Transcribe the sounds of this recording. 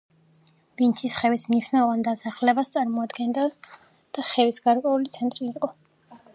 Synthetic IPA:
b̥int̪ʰisχɛvismniʃnavand̪asaχlɛbast̪sʼaɾmɔad̪ɡɛnd̪a | d̪̥aχɛvisɡaɾkʼwɛulit̪sʰɛnt̪ʼɾiːqʼɔ

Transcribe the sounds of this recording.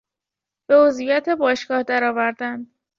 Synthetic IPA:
b̥e̞ozvijæt̪ʰebɒːʃɡɒːhd̪æɾɒːvæɾd̪æn

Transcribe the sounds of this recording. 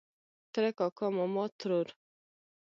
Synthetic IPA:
t̪ɾɛkɔkɔmɔmɔt̪ɾoɾ

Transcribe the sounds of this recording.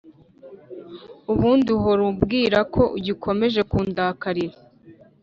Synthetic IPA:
uβuːndiɦoɾubɡiːɾakʰo̞ʔuɟikʰo̞me̞ʒe̞kuːndaːkaɾiɾa

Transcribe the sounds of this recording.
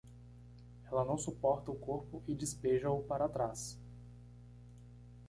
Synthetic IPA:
ɛlɐnɐ̃w̃supɔɾt̪ɐʊkoɾpʊʔɪd͡ʒɪspeʒɐʊpaɾat̪ɾas

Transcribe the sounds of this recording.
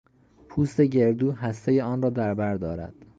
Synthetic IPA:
pʰuːst̪e̞ɟe̞ɾd̪uːɦæst̪e̞jeɒːnrɒːd̪æɾbæɾd̪ɒːɾæ̰d̪̥

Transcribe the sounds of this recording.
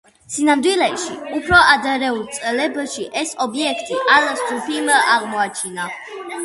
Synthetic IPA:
sinamd̪wilɛʃiupʰɾɔʔad̪aɾɛulˠt̪sʼɛlɛbaʃiʔɛsɔbiɛkʰt̪ʼiʔalast̪ʰʼupʰimaʁmɔat͡ʃʰina

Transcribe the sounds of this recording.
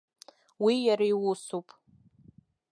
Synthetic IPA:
wijaɾajwusupʼ

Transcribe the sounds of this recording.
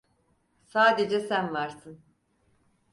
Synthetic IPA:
saːd̪ed͡ʒɛsænvaɾsɯn

